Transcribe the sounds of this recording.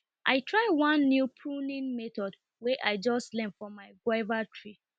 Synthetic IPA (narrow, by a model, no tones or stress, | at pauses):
ʔa̰ɪtʰɹaɪwãnːjupʰunĩnmɛtɔd | wɛʔaɪd͡ʒɔstlɛ̃mfɔmaɪɡwaɪvatʰɹi